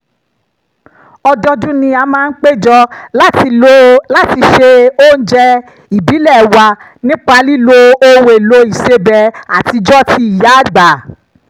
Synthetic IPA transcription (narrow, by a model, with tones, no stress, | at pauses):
ɔ˧dɔ˧dũ˦nĩ˧a˧mãː˦n̩˦k͡pe˦d͡ʒɔ˧lo˦la˦˨ti˧ʃe˧o˦˨n̩˦d͡ʒɛ˧ | i˨bi˨˦lɛ˦˨wa˧ | nĩ˦k͡pa˧li˦lo˧o˦we˨lo˧i˨se˦bɛ˧a˨ti˧d͡ʒɔ˦ti˦i˨ja˦˨ɡ͡ba˨